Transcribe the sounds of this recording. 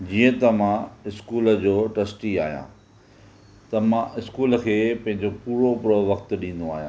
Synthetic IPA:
d͡ʑiːə̃t̪ɐmãɪskuːləd͡ʑoːʈɐsʈia̰ːɦijã̰ː | t̪ɐmãɪskuːlə̆kʰeːpɐ̃ɦɪ̃ɲd͡ʑopuːɾopɾoʋɐxt̪ɗĩːn̆d̪oaːɦijã̰

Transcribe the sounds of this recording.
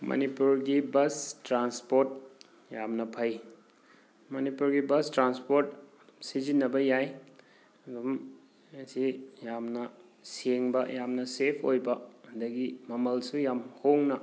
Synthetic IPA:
mɐ̰nipuɾɡibɐstɾanspoɾt̚ | jamnɐpʰɐj | mɐnipuɾɡibɐstɾanspoɾt̚ | sizinːɐbɐjaj | dum | sijamnɐ | seŋbɐjamnɐsepʰojbɐɐndɐɡimɐmɐlsujamhoŋnɐ

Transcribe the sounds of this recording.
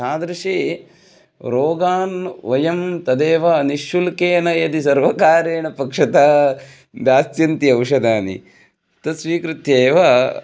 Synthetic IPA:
saːd̪ɾɐʂeː | ɾoːɡaːnʋɐjɐmt̪ɐd̪eːʋɐniʃulkeːnɐjɐd̪isɐɾʋɐkaːɾeːɳɐpɐkʂɐt̪aː | b̪jaːsjɐnt̪iɐwʂɐd̪aːnḭ | t̪ɐsʋiːkɾɪt̪jeːʋɐ

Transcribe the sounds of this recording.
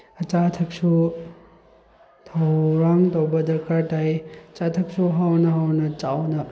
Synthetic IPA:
ɐt͡ʃatʰɐk̚su | tʰɐwɾaŋtowbɐdɐkaɾtajɐt͡ʃatʰɐk̚suɦawnɐɦawnɐt͡ʃawnɐ

